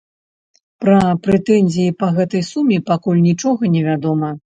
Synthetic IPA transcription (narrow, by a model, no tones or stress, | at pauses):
pɾɐpɾɛt̪ɛnʲzʲijipɐɣɛt̪ɐjsumʲipakulʲnʲit͡ʂɔɣɐnʲɛvʲad̪ɔmɐ